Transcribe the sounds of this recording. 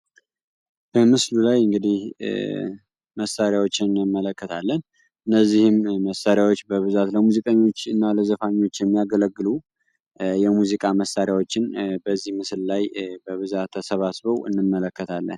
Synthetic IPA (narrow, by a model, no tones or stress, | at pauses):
b̥əmɨslulajɨŋɡɨd̪ih | məsaɾjawo̞t͡ʃːɪnɨnːɨmːələkːət̪ʰalːən | ʔɨnːəzːihɪmːəsaɾjawot͡ʃːbəβɨzat̪ləmuzikʼəɲːo̞t͡ʃːɨnːaləzəfaɲːo̞t͡ʃːjɛmːijaɡələɡːɨlu | jɛmuzikʼaməsaɾjawo̞t͡ʃːɪnbəzːihmɨsllajbəβɨzat̪ʰːəsəβasβəwʔɨ̰nːɨmːələkːət̪ʰalːə̰n